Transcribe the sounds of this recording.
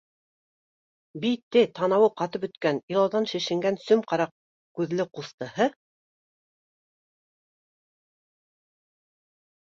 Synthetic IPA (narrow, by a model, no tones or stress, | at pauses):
bit̪ːɘt̪ɑnɑwɤqɑt̪ɤpɵ̆t̪kænilˠɑwðɑnʃɘ̆ʃɘ̆ŋɡænsɵmqɑɾɑq̚ | kʉðlɘqust̪ɤ̆hɤ